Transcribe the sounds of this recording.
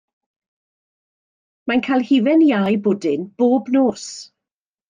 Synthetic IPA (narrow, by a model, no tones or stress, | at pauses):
mankʰajlˠhivɛnjajboːdɪnb̥oːbnoːs